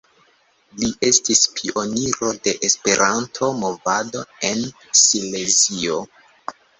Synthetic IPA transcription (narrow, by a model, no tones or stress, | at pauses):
liʔe̞stispʰio̞niɾo̞de̞ʔespe̞ɾʔantʰo̞mo̞vado̞e̞n | sile̞zio